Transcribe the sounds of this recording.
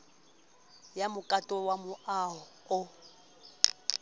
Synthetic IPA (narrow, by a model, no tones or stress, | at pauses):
jamʊkʼatʼɔwamʊʔaɦɔʊ